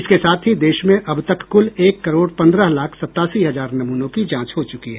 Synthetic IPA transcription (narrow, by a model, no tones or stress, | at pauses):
ɪskesaːt̪ʰɦid̪eːʃmẽʔɐbt̪ɐkːʊleːkːɐɾoːɽpɐ̃nd̪ɾəɦlaːkʰsɐt̪ːaːsiɦɐzaːɾnɐmuːnõkid͡ʒãːt͡ʃɦot͡ʃʊkiɦɛː